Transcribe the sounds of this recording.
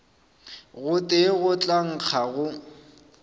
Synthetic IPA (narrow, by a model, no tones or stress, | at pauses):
ɣʊtʼɪɣʊt͡ɬʼaŋ̩k͡xʰaɣʊ